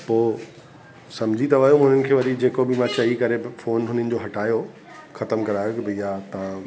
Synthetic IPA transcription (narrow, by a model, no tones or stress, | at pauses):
poː | sɐ̃md͡ʑʱit̪ɐʋɐːjoʊ̃n̤ɪnɪ̆kʰeːʋɐɾid͡ʑeːkobɪmãt͡ɕɐikɐɾefoːnɦʊnɪnɪ̆d͡ʑoɦɐʈʰaːjo | xɐt̪əmkɐɾaːjokɪbɪjat̪ɐʋ̤ã